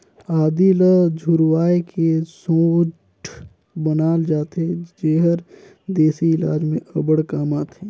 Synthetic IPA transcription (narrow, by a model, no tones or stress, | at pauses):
aːd̪iləd͡ʒʱʊɾwaːekesoːt͡ʃ | bənaːld͡ʒaːt̪ed͡ʒeːɦəɾ | d̪eːsiɪla̰ːd͡ʒmẽʔɐbəɽkaːmaːt̪ʰeː